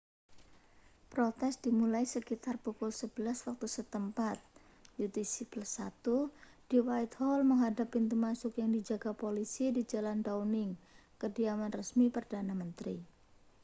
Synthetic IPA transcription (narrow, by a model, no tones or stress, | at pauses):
pɾot̪ɛsd̥imulaisəkit̪arpukʊlsəbəlaswak̚t̪usət̪əmpat̪̚ | jut̪isipəlsat̪ud̥iwajt̪hɔlməŋɦadapint̪̬umasʊkjaŋdid͡ʒaɡ̥apolisidid͡ʒalandawnɪŋkədiamanrəsmipərdanamənt̪ɾi